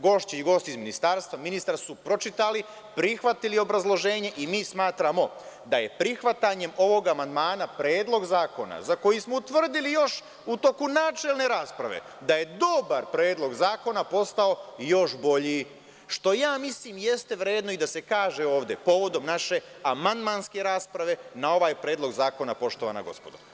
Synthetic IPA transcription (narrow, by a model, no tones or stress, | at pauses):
ɡo̞ʃt͡ɕeiɡo̞st̪izminist̪aɾst̪ʋaminist̪ɾasupɾo̞t͡ʃit̪ali | pɾixʋat̪ilio̞bɾazlˠo̞ʒe̞ːɲe̞ʔimiːsmaːt̪ɾamo̞d̪aje̞pɾixʋat̪aɲe̞mo̞ʋo̞ɡamand̪maːnapɾe̞ːd̪lˠo̞ɡzaːko̞na̰zako̞jismout̪ʋr̩d̪ilijo̞ʃ | ut̪o̞kunaːt͡ʃe̞lˠne̞ɾaːspɾa̰ʋḛ | d̪aje̞d̪o̞baɾpɾe̞ːd̪lˠo̞ɡzaːko̞napo̞st̪ao̞jo̞ʃbo̞ʎi | ʃt̪o̞jaːmisliːmje̞st̪e̞ʋɾeːd̪noid̪ase̞kaːʒe̞o̞ːʋd̪e̞po̞ʋo̞d̪o̞mnaʃe̞ | amand̪manske̞ɾaːspɾaʋe̞nao̞ʋaːjpɾeːd̪lˠo̞ɡzaːko̞napo̞ʃt̪o̞ʋa̰na̰ɡo̞̰spod̪o